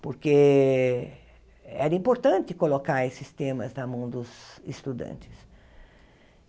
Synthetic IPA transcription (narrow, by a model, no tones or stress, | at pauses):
poɾke | ɛɾɐĩmpoɾt̪ɐ̃nt̪ɪkolokaɾesɪst̪ẽmɐznamɐ̃w̃d̪ʊzɪst̪ud̪ɐ̰̃nt͡ʃ̪ɪ̥s